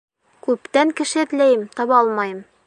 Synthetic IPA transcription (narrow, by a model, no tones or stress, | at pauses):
kʉpt̪æŋkɘ̆ʃɘ̆ɘ̆t̪læjɘmt̪ɒβɑɒlˠmɑjɤm